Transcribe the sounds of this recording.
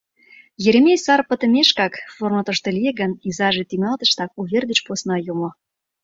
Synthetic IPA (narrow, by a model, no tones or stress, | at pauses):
jeɾʲemʲesɑrpə̆t̪ə̆mʲeʃkɑkformŏt̪ə̆ʃt̪ŏlʲijeɣə̆nizɑʒĕt̪yŋɑlt̪ə̆ʃt̪ɑk̚uβʲerd̪et͡ɕposnɑjumŏ